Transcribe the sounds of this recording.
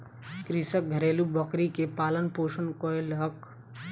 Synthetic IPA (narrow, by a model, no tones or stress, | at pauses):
kɾisək̚ɡʱəɾeːlubəkɾikepaːlənpoːʃənkoelɦək